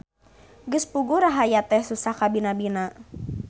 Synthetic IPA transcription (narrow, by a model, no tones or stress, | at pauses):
ɡɨspuɡuɾaɦajat̪ɛhsusahkabinabina